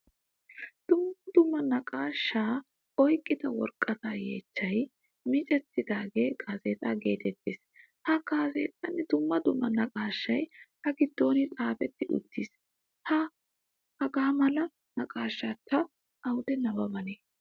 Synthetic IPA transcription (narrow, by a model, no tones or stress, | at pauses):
d̪̥ʊmːɐd̪̥ʊmːɐnɐkʼaːʃːaː | ɔjkʼːɪd̪ɐwɔ̰ɾkʼːɐt̪aːjḛːt͡ʃːɐj | mɪt͡ʃʼɛt̪ːɪd̪aːɡeːɡʰaːzeːt̪ʼaːɡeːt̪ɛt̪ːeːs | hɐɡaːzḛːt̪ʼːɐnːɪd̪ʊmːɐd̪ʊmːɐnɐkʼaːʃːɐjhɐɡɪd̪ːo̞ːnɪt̪ʼaːfɛt̪ːɪʔʊ̰t̪ːiːs | hɐ | ɐɡaːmɐlɐ | nɐkʼaːʃːaːt̪ʰːɐː | wʊd̪ɛnɐbɐbɐneː